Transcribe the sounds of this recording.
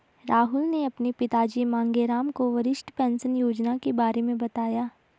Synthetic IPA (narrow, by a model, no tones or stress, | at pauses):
ɾaːɦʊlneɐpnepɪt̪aːd͡ʒimãːŋɡeɾaːmkoʋɐɾɪʃʈpɛ̃ːnsənjoːd͡ʒnakebaːɾemẽbɐt̪aːjaː